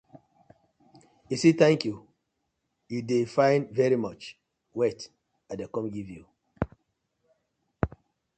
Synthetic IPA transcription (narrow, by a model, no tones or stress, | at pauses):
isit̪ɛ̃ŋkju | judefãɪ̃nvɛɹimɔt͡ʃ | wɛt | adekɔ̃mɡivju